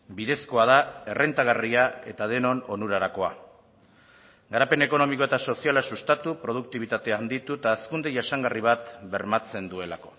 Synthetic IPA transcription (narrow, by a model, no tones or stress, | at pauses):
biðe̞sko̞að̞ae̞rʔe̞nt̪aɣ̞ariae̞t̪að̞e̞no̞no̞nuɾaɾako̞a | ɡaɾape̞ne̞ko̞no̞miko̞e̞t̪aso̞sialasust̪at̪upɾo̞ð̞uk̚t̪iβit̪at̪eand̪it̪uet̪aːskund̪eʝasaŋɡariβ̞at̪be̞ɾmat͡se̞nd̪ue̞lako̞̥